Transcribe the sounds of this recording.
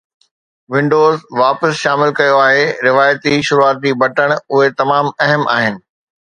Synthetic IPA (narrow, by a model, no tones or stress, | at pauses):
ʋɪ̃ɳɖoːzʋaːpəsʃaːmɪlkɐjoaːɦeɾɪʋaːjt̪iʃʊɾuaːt̪̚ibʱɐʈəɽ̃ʊɦet̪ɐmaːmɛɦəmʔa̰ːɦɪnɪ̆